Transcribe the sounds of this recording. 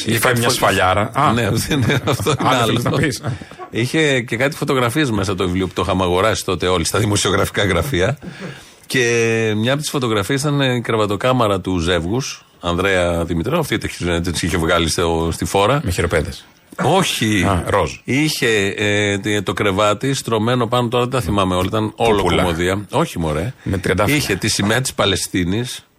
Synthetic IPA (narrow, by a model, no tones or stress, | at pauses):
iɐsfɐʎɐɾɐɐneneɐft̪oinɐloisiçe̞ce̞kɐt̪i̥fo̞t̪o̞ɣɾɐfiezme̞s̬ɐt̪ovivlio̞put̪oxɐmɐɣo̞ɾɐsi̥t̪o̞t̪e̞o̞list̪ɐðimo̞sio̞ɣɾɐfi̥kɐɣɾɐfiɐ | ce̞mɲɐɐpot̪i̥sfo̞t̪o̞ɣɾɐfiɐs̬it̪ɐnkɾevɐt̪o̞kɐmɐɾɐt̪uze̞vɣus | ɐnðɾeɐðimit̪ɾioft̪it̪eçizt̪siçe̞vɣɐlist̪ost̪ifo̞ɾɐmçiɾopeðes | o̞çiɾoziçe̞ | t̪o̞kɾe̞vɐt̪ist̪ɾo̞me̞no̞pɐnot̪o̞ɾɐt̪et̪ɐθimɐmeo̞lɐit̪ɐnolooklomoðiɐo̞çimo̞ɾemt̪ɐɐiçe̞t̪isimeɐt̪i̥spɐle̞st̪inis